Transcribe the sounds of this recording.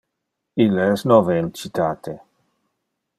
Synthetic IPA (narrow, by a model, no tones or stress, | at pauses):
ilːaɛsnɔvent͡ʃit̪aːt̪ʰe